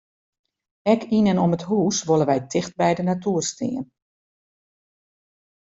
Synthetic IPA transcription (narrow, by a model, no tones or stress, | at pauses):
ɛkʰinənɔməthuːsʋoləʋɛjtʰɪxt̚bɛjdənatuərstɪ̰ːən